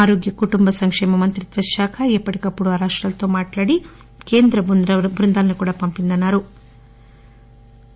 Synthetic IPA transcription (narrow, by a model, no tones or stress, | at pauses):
aːɾoːɡjɐkuʈumbɐsɐŋkʂɛːmɐmɐnt̪ɾit̪ʋɐʃjaːkʰɐipːɐʈikɐpːuɽuaːɾaːʂʈɾɐlɐt̪o̞ːmaːʈlaːɽi | keːnd̪ɾɐbund̪ɐbʱɾund̪aːlɐnikuːɽaːpɐmpind̪ɐnːaːɾu